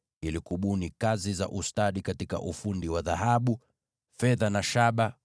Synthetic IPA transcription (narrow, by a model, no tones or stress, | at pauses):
ilikuɓunikaziza̰ʔustaɗikatika̰ʔufundiwaðahaɓu | fɛðanaʃaɓa